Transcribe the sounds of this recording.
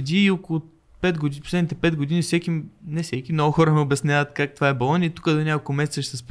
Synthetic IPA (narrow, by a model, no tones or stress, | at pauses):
ɛd̪iːokʊlˠʊ | pɛd̪ɡod̪iposlɛd̪nit̪ɛpɛd̪ɡod̪inifsɛkinɛsɛkimnɔɡʊxɔɾəmɛobʲɛsnʲavət̪kak̚t̪ovaɛbɐlˠɔnʲiit̪ukəd̪onʲakolˠkʊmɛsɛt̪səʃɛsɛsp